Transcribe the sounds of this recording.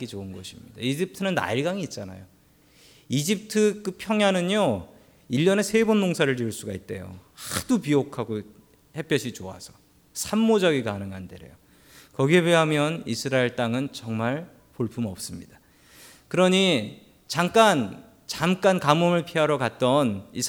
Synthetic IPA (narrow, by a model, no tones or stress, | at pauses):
k͈id͡ʑounɡʌɕʰimɲida̰id͡ʑip̚tʰɯnɯnːa̰iɭɡaŋiːt̚t͡ɕ͈ana̰jo | id͡ʑip̚tʰɯkɯpʰjʌŋjanɯɲo | iʎːjʌne̞sʰe̞bonmoŋsʰaɾɯɭɾiuɭs͈uɡait̚t͈e̞jo̰had̥upiokʰaɡo | he̞p͈jʌɕʰit͡ɕoa̰sʰʌ | sʰamːod͡ʑʌɡikanɯŋɦandeɾe̞̰jo | kʌɡie̞beɦamjʌnisʰɯɾaeɭt͈aŋɯnt͡ɕʌŋmaɭ | poɭpʰumʌp̚s͈ɯmɲida | kɯɾʌɲi | t͡ɕaŋk͈an | t͡ɕamk͈ankamomɯɭpʰiɦaɾʌkat̚t͈ʌni